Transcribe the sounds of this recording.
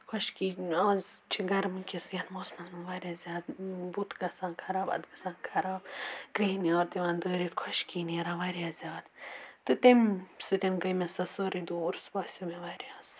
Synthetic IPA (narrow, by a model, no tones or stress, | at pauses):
kʰɐʃkiːaːzt͡ʃʰiɡɐɾmɨkʲisjʲɐnmoːsmɐnmɨnʋaːɾʲjaːzʲaːd̪but̪ɡɐsãːnkʰɐɾaːbɐ̰d̪ɡɐsãːnkʰɐɾaːkɾiːniaːɾt̪iʋãːnd̪əːɾit̪kʰwɐʃkiːniɾãʋaɾijaːzʲaːd̪t̪ɨt̪emsɨt̪ʲenɡɐjmesɐsoːɾid̪uuɾsbɐːsʲumeʋaɾʲjaːs